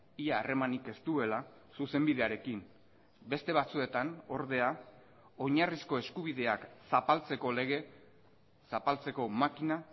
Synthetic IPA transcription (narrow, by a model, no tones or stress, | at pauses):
iaːre̞manike̞st̪ue̞la | suse̞mbið̞e̞aɾe̞kin | be̞st̪e̞βat͡sue̞t̪ano̞ɾðe̞a | o̞ɲarisko̞e̞skuβiðe̞aksapalt͡se̞ko̞le̞ɣ̞e̞ | sapalt͡se̞ko̞makina